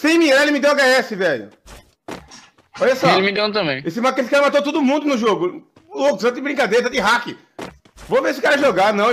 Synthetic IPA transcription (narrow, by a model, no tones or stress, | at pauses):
sẽj̃miɛelɪmɪd̪ewaɡaɛsɪvɛʎʊ̰ | ɔʎɐsɔelɪmɪd̪ew̃t̪̬ɐ̃mbẽj̃esɪmaesɪ̥kaɾɐmat̪ot̪od̪ʊmũnd̪ʊnʊʒoɡʊ | lokʊsɐ̃t̪d͡ʒɪbɾĩkad̪ejɾɐt̪ad͡ʒɪɦakɪ | voveɾesɪʊkaɾɐʒoɡanɐ̃w̃